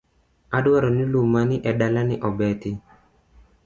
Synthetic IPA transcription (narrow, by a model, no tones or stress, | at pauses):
adwaɾɔnɪlumanɪʔɛdalanɪʔɔbɛtɪ